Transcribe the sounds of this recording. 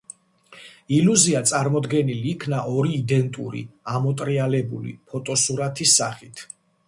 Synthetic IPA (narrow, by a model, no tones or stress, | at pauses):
iluziat̪sʼaɾmɔd̪ɡɛniliːkʰnaʔɔɾiːd̪ɛnt̪ʼṵɾḭamɔt̪ʼɾialɛbṵlḭpʰɔt̪ʼɔsuɾat̪ʰisːa̰χit̪ʰ